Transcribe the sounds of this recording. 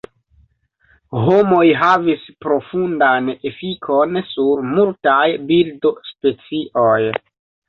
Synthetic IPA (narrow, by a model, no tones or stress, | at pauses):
ho̞mo̞jɦavispɾo̞fundane̞fikʰo̞nsuɾmultajbildospe̞t͡siʔo̞j